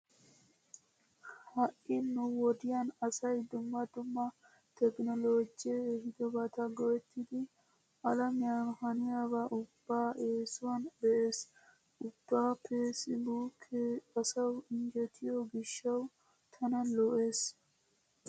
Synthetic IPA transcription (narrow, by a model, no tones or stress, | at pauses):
hɐʔɪnːʊwɔd̪ɪjanɐsɐjd̪ʊmːɐd̪ʊmːɐ | t̪ɛknɔloːd͡ʒehɪd̪ɔbɐt̪ɐɡɔwɛt̪ːɪd̪ɪ | ɐlɐmɪjanhɐnɪjabaʔʊb̥ːaːʔeːsʊwanbɛʔe̞ːs | ʔʊb̥ːaːpʰesɪbukʰːɛɐsɐwɪnd͡ʒɛt̪ʰɪjɔɡɪʃːɐw | t̪ʰɐnɐnlɔʔe̞ːs